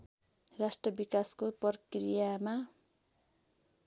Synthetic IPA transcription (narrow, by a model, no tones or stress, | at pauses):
rasʈrʌbikaskopʌrkrijama